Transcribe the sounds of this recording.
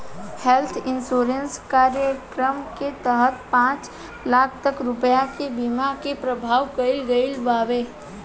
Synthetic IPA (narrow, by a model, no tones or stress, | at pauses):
helt̪ʰɪnsoːɾənskaːɾjəkɾəmket̪əɦət̪̚pãːt͡ʃ | laːkʰt̪əkɾʊpjakebimakepɾəbʱaːʋkəɪlɡəɪlbaːʋeː